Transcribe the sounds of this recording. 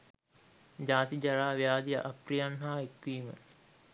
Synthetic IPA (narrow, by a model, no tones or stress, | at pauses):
d͡ʑaːt̪id͡ʒaɾaːʋijaːd̪ija̰ʔaprijanɦaːekʋiːmə̰